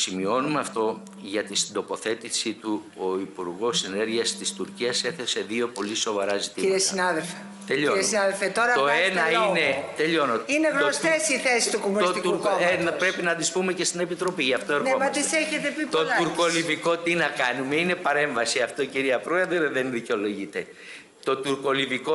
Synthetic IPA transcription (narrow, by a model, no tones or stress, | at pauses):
simio̞numeɐft̪o̞ | ʝɐt̪isind̪o̞po̞θe̞t̪isit̪u | oipuɾɣo̞sene̞ɾʝiɐst̪ist̪uɾciɐse̞θe̞se̞ðio̞po̞liso̞vɐɾɐzit̪iiɾiesinɐðelfe | t̪eʎoɾiesinɐðelfet̪oɾɐt̪oenɐinet̪eʎo̞noineɣnost̪esiθesist̪ukomunist̪it̪uuɾkoenɐpɾe̞pinɐnd̪ispume̞ce̞st̪ine̞pit̪ɾo̞piʝɐft̪oeɾpemɐt̪isseçet̪epipt̪olɐuɾko̞liviko̞t̪inɐkɐnume̞ine̞pɐɾe̞ɱvɐsiɐft̪o̞ciɾiɐpɾoeðɾeðe̞nðiceo̞loʝit̪e̞ | t̪o̞t̪uɾko̞liviko